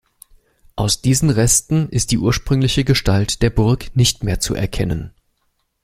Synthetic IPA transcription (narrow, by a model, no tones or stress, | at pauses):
ʔaʊsd̥iːzn̩ʁɛstn̩ʔɪst̚d̥iːʔuːɐʃpʁ̥ʏŋlɪçəɡəʃtaltd̥eːɐbʊɐknɪçtmeːɐt͡sṵʔɛ̰ɐkʰɛnən